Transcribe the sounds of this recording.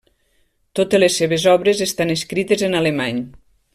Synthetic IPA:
t̪ot̪elesːeβezɔβɾezest̪aneskɾit̪ezenalemaɲ

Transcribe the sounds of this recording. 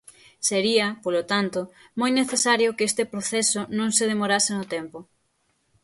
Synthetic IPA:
seɾiɐpolot̪ant̪ʊmojneθesaɾjokest̪epɾoθɛsonõŋseð̞emoɾasenot̪ɛmpʊ

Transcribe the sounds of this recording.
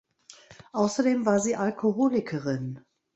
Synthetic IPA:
ʔaʊsɐdeːmvaːɐziːʔalkʰohoːlɪkʰəʁɪn

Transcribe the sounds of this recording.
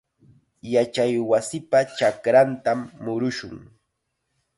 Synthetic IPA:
jat͡ʃajwasɪpat͡ʃakɾant̪amːʊɾʊʃʊ̰ŋ

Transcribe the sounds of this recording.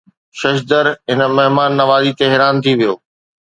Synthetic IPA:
ʃɐʃd̪əɾɦɪnə̆mɐɦmaːnːɐʋaːzit̪eɦɪɾaːnt̪ʰiʋijo̰ː

